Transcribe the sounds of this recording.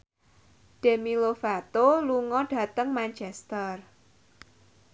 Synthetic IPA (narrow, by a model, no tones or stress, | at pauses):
d̥emilofat̪oluŋɔɖ̥ä̤t̪əŋmant͡ʃɛst̪ər